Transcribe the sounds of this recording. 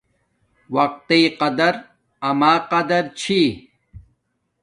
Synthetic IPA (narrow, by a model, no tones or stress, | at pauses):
wɐq̚t̪iqɐd̪ɐɾ | ɐmaːqɐd̪ɐɾt͡ɕʰi